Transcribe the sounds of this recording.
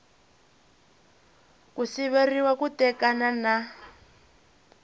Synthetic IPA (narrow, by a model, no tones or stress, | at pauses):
kusiβeriwakutɛkanana